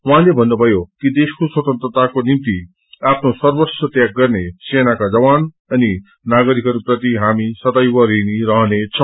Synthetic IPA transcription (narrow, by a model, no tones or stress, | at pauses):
wãlebʱʌnːubʱʌjokid̪eskoswʌt̪ʌnt̪ɾʌt̪akonimt̪i | apʰnosʌrbʌt͡sʰʌt̪jaɡɡʌrnesenakad͡zʌwan | ʌni | naɡʌɾikʌɾuprʌt̪iɦamisʌt̪ajbʌɾiniɾʌɦnet͡sʰʌ̃